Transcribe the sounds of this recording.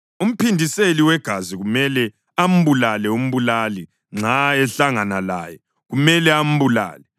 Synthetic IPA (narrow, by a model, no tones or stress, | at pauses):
um̩pindʱiseliwɛɡ̥ʱaziɣumɛlɛ | am̩βulalɛum̩βulali | ŋ͡ǁʱaɛɬaŋanala̰ːjɛ | ɣumɛlɛam̩βula̰ːlɛ